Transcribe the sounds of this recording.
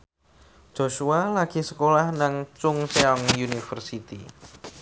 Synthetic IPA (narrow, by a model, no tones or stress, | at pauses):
d̥ʒ̥o̤ʃualaɡ̥i̤səkolahnaŋt͡ʃʊŋseɔŋjunifərsit̪ḭ